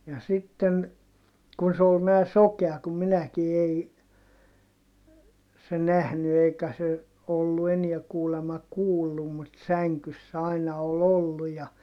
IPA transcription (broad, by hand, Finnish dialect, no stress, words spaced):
jɑ sitːen kun se ol næː sokeɑ kum minæki ei se næhny eikæ se olːu eniɛ kuːlemɑ kuːlːum mut sæŋkysː ɑinɑ ol olːu jɑ